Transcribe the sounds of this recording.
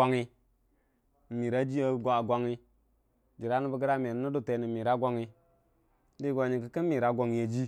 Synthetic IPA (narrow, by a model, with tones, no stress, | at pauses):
a˦ŋi˦˨ | mi˨ɾa˦d͡ʒi˦a˨ɡa˦a˨ɡʷa˦ŋi˦ | d͡ʒi˨ɾa˦nu˦bə˦ɡə˦ɾa˦me˨n˦nu˦du˦˨te˨˦ni˨mi˨ɾa˦ɡʷa˦ŋi˦ | di˦ɡʷa˨ɲi˨kə˦kə˦mi˨ɾa˨˦ɡʷa˨ŋi˨ja˨d͡ʒi˦